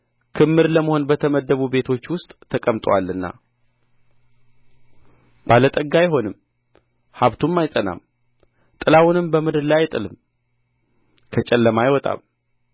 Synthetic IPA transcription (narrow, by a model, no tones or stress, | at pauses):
kʰɨmːɨɾləməho̞nbət̪ʰəməd̪ːəβube̞t̪ʰo̞t͡ʃːwʊst̪ʼt̪ʰəkʼəmt̪ʼwa̰lːɨnːa̰ | b̥alət̪ʼəɡːajɪɦo̞nɨm | haβt̪ʰumːajsʼəna̰m | t̪ʼɨlawʊnɨmbəmɨd̪ɨɾlajajɪt̪ʼɨlɨm | kʰət͡ʃʼɛlːəmajɪwɔt̪ʼa̰m